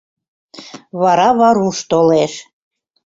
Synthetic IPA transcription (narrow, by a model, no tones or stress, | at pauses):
βɑɾɑβɑɾuʃt̪oleʃ